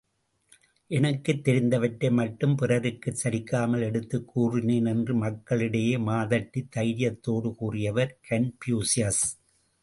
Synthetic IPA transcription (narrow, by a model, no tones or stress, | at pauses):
ʔɛnɐkːɯt̪ːɛɾɪnd̪ɐʋɐʈːɐmɐʈːɯmpɪrɐɾɯkːɯt͡ʃːɐɾɪkːaːmɐlɛɽɯt̪ːɯkːuːrɪneːnɛndrɯmɐkːɐɭɪɽɐjeːmaːðɐʈːit̪ːɐɪɾɪjɐt̪ːoːɽɯkuːrɪjɐʋɐɾkɐnpjuːsɪjɐs